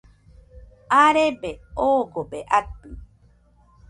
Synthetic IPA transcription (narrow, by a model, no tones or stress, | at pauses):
aɾebeoːɡobeʔapɨ